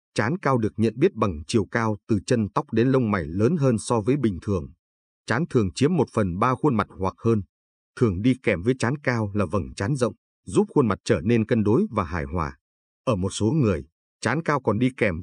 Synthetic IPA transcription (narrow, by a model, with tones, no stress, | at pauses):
t͡ɕaː˨˦nkaː˧wɗɨ˨˩ək̚ɲə̰˧˨nɓi˦˥ət̚ɓa˨˩ŋt͡ɕi˨˩əwkaː˧wt̪ɨ˨˩t͡ɕə˧nt̪a˦˥wk͡p̚ɗe˨˦nlə˧wŋ͡mma˨˩jləː˨˦nɦəː˧nsɔ˧vəː˨˦jɓï˨˩ŋ̟t̪ʰɨ˨˩əŋ | t͡ɕaː˨˦nt̪ʰɨ˨˩əŋt͡ɕi˨˦əmːo˨˩t̚fə˨˩nɓaː˧xwə˧nma˨˩t̚hwa˨˩k̚həː˧n | t̪ʰɨ˨˩əŋɗi˧kɛ˨˩mvəː˨˦jt͡ɕaː˨˦nkaː˧wlaː˨˩və˨˧˩ŋt͡ɕaː˨˦nzə̰˧˨wŋ͡m | zu˦˥p̚xə˧nma˨˩t̚t͡ɕəː˧˩ne˧nkə˧nɗo˨˦jvaː˨˩ɦaː˧˩jɦwa̰ː˧˨˩ | ʔəː˧˩mo˨˩t̚so˨˦ŋɨ˨˩əj | t͡ɕaː˨˦nkaː˧wkɔ˨˩nɗi˧kɛ˧˩m